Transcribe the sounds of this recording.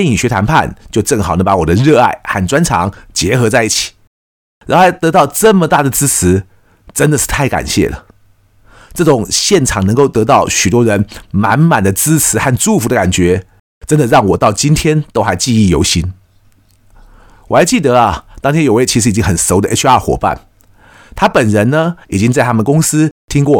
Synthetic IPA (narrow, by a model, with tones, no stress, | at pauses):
ɛ˥˩ni˨˩ɕɥɛ˧˥t̪ʰa˧˥npʰa̰˥˧˨nt͡ɕjo˥˧ʊʈ͡ʂɤ˥˩ŋxɑ˨˩ʊnə˦˥pa˧˥wɔ˨˩d̪ə˦ɻɤ˥˧a˥˩ɪxa˥˩nʈ͡ʂwa˥nʈ͡ʂʰɑ̰˧˥˦ŋt͡ɕjɛ˧˥xɤ˧˥t͡sa˥˧ɪi˥˩t͡ɕʰi̥˨˩˦ | ɻa̰˧˥xo˥˩a˧˥˦ɪt̪ɤ˧˥t̪ɑ˥˩ʊʈ͡ʂə˥˩mə˨˩t̪a˥˩d̪ə˩t͡sɹ̩˥t͡sʰɹ̩˧˥ | ʈ͡ʂə˦nd̪ə˨ʂɻ̩˥˧t̪ʰa˥˩ɪka̰˨˩nɕjɛ̰˥˩lə̰˩ | ʈ͡ʂɤ˥˩ʈ͡ʂʊ˨˩˦ŋɕjɛ˥˩nʈ͡ʂʰɑ˨˩ŋnə˧˥ŋko˥˩ʊt̪ɤ˧˥t̪ɑ˥˩ʊɕy˨˩t̪wɔ˥ɻə˧˥nma˧˥nma˨˩nd̪ə˦t͡sɹ̩˥t͡sʰɹ̩˧˥xa˥˧nʈ͡ʂu˥˩fu˧d̪ə˧ka˨˩nt͡ɕɥɛ˧˥ | ʈ͡ʂə˥nd̪ə˨ɻɑ˥˩ŋwɔ˨˩t̪ɑ˥˩ʊt͡ɕi˥nt̪ʰjɛ˥nt̪o˥ʊxa˧˥ɪt͡ɕi˥˧i˥˩jo̰˧˥ʊɕi˥n | wɔ˨˩a˧˥ɪt͡ɕi˥˩t̪ə˧˦ɐ˨t̪ɑ˥ŋtʰjɛ˥jo˨˩ʊwe˥˩ɪt͡ɕʰi˧˥ʂɻ̩˧˥i˨˩t͡ɕi˥ŋxə˨˩nso˧˥ʊd̪ə˧e˥a˥˩xwɔ̰˨˩pa̰˥˩n | t̪ʰa˥pə˨˩nɻə˧˦˥nnə˧i˨˩t͡ɕi˥ŋt͡sa˥˧ɪt̪ʰa˥mə˨nkʊ˥ŋsɹ̩˥t̪ʰi˥ŋkwɔ˥˩